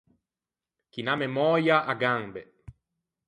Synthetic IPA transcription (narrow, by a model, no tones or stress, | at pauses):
kinamemɔjaʔaɡambe